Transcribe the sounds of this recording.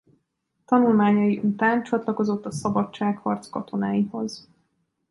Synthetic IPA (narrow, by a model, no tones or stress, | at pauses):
t̪ɒnulmaːɲɒjiʔut̪aːnt͡ʃɒt̪lɒko̞zo̞t̪ːɒsɒbɒt͡ʃt͡ʃːaːkhɒrt̪skɒt̪o̞naːjiho̞z